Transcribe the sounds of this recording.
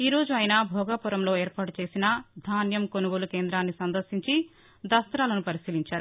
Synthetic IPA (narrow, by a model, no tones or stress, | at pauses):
iːɾo̞ːd͡ʒuɐjnaːbʱɔːɡaːpuɾɐmlo̞ːɛːɾpaːʈut͡ʃe̞ːsinɐd̪ʱaːnjɐmkonuɡoːlukeːnd̪ɾaːnːisɐnd̪ɐɾsiɲt͡ʃi | d̪ɐst̪ɾaːlɐnupɐɾisiːliɲt͡ʃaːɾu